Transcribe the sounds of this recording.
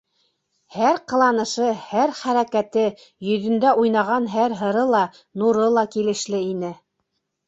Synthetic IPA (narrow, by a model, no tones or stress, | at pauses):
hæɾqɤ̆lˠɑnɤ̆ʃɤhæɾχæɾækæt̪ɘ | jɵ̆ðɵ̆nd̪æʔujnɑʁɑnɦæɾɦɤ̆ɾɤlˠɑ | nuɾɤlˠɑkilɘ̆ʃlɘinɘ